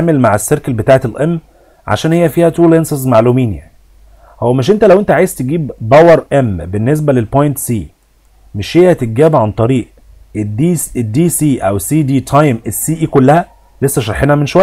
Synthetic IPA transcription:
aːmelmaʕesːeɾkælbet̪aːʕet̪elʔæmː | ʕa̰ʃæːnhejːæfiːhæt̪uːlensɑzmaʕluːmiːnjæni | howːæmeʃʔent̪ælæwʔent̪æʕaːjezt̪eɡiːbbæwɑɾˤʔæmbenːes̬bælelpojnt̪siː | meʃhejhæt̪eɡæːbʕant̪ˤɑɾiːʔ | dd̪iːsiːʔæ̰wesiːd̪iːt̪ʰɑjmesːiːʔiːkolːæhæ | lesːæʃɑɾˤħenæmenʃowæjː

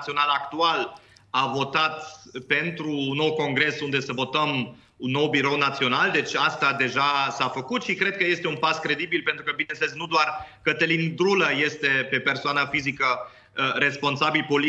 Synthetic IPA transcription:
sio̞nalakt̪ual | avo̞t̪at̪pe̞nt̪ɾunːo̞wko̞ŋɡɾe̞sund̪e̞səvo̞t̪əm | unːo̞wbiɾo̞wnat̪sio̞nald̪e̞t͡ʃʲast̪ad̪e̞ʒasafəkut̪ʃikɾe̞d̪̚kəje̞st̪e̞unpaskɾe̞d̪ibilpent̪ɾukəbinesəleznud̪oarkət̪əlind̪ɾuləje̞st̪e̞pe̞pe̞rsoanafizikə | ɾe̞spo̞nsabilpo̞li

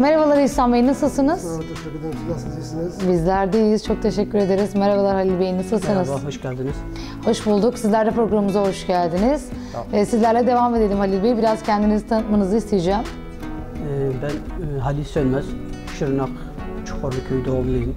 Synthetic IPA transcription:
meɾavalˠaɾɯisanmajnasɯlˠsɯnɯz | bizlʲæɾd̪ejiz̥t͡ʃʰo̞k̚t̪ʰe̞ʃɛcʰːyɾe̞d̪e̞ɾizmeɾavalˠaɾhalʲilʲbe̞jinɯsɯlˠsɯnɯzɦoʃcælʲd̪iniz̥ | ho̞ʃbulˠd̪uksizlʲæɾd̪ɛpɾo̞ɡɾamɯmɯzaho̞ʃɟælʲd̪iniz̥ | ɛsizlʲæɾlʲɛd̪e̞vame̞d̪elʲimhalʲilʲbejibiɾaz̥cʰænd̪inizit̪ʰanɯt̪manɯzɯist̪ʰejid͡ʒæm | ɛbænːɦalʲisønmæz̥ | ʃɯɾɯnak | t͡ʃʰu̥kʰoɾlucʰøid̪oumlˠajɯm

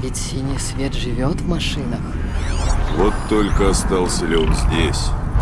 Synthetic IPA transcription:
vʲɪtʲsʲinʲɨjsʲvʲet̪ʐɨvʲot̪vmɐʂɨnəx | vot̪ːolʲkəɐst̪ɑlˠsʲəlʲɪonzʲdʲesʲ

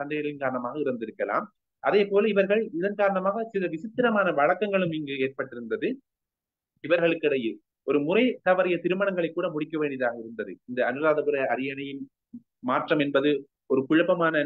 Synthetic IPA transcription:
ɐɳɖɐjɐɭɪnkaːɾɐɳɐmaːɣɐɪɾɯnd̪ɪɾɯkːɐla̰ːm | ʔɐðeːpoːlɐɪʋɐɾɣɐɭɪðɐnkaːɾɐɳɐmaːɣɐsɪlɐʋɪsɪt̪ːɪɾɐmaːnɐʋɐɻɐkːɐŋɡɐɭɯmɪŋɡɯeːrpɐʈːɪɾɯnd̪ɐðɯ | ɪʋɐɾɣɐɭɯkːɪɽɐjɯl | ɔɾɯmʊrɐɪt̪ɐʋɐɾɐjɐt̪ɪɾɯmɐɳɐŋɡɐɭɐɪkːuːɽɐmʊɽɪkːɐʋeːɳɖɪjɐðaːɣɐɪɾɯnd̪ɐðɯɪnd̪ɐːnɯɾaːðɐpɯɾɐɐɾɪjɐnɐjɪn | maːʈrɐmɛnbɐðɯ | ɔɾɯkʊɻɐpːɐmaːnɐ

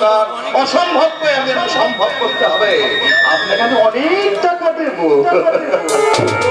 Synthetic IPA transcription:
kaɾ | ɔʃɔmbʱob̚koeaɡeɾɔʃɔmbʱob̚koɾt̪eɦɔbea̰mekakeɔnekʈ̪akʰad̪ebo

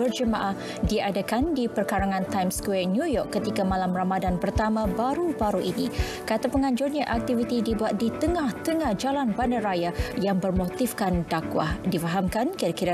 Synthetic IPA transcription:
bərd͡ʒəmãʔah | diadakandipərkaɾaŋãnt̪ajmskwɛnjujɔkːət̪ikamalamramadanpərt̪amãbaɾubaɾuʔini | kat̪apəŋaɲd͡ʒʊrɲaʔak̚t̪ivit̪idibuat̪̚dit̪əŋaht̪əŋahd͡ʒalanbandaɾajajaŋbərmot̪ifkandakwa̰hdifaɦamkankiɾakiɾa

